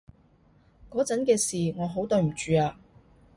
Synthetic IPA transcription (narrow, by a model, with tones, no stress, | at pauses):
kɔː˨˥t͡sɐ˨˥nkɛː˧siː˨ŋɔː˨˧ɦo˨˥wt̪ɵ˧ɥm̩˨˩t͡ʃyː˨˧aː˧